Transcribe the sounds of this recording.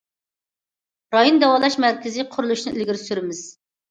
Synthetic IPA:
ɾɑjond̪ɛwɑlˠɑʃmæɾkʲɪzɪqʰʊɾulˠuʃnɨʔilɡʲiɾsyɾɪmɪz̥

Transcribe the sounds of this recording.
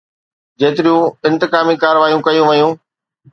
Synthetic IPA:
d͡ʑeːt̪ɪɾijũɪ̃nt̪ɪkaːmikaːɾʋaːijũkɐjũʋɐjũː

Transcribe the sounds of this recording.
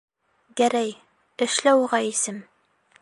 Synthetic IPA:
ɡæɾæj | ɘ̆ʃlæwʁɑisɘm

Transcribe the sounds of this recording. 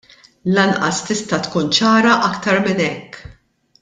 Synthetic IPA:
lɐnʔɐ̰st̪ɪst̪ɐt̪kuːnt͡ʃɐːɾɐʔɐkt̪ɐɾmɪnɛkː

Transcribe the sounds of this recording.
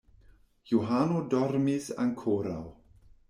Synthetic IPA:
juɦanodɔrmɪza̰nkʰoɾa̰lˠ

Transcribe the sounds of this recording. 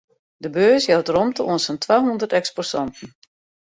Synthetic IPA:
dəbøːsjɛwtrɔmtəuənsəntʰʋaːɦundərtɛkspɔrsɔntn̩

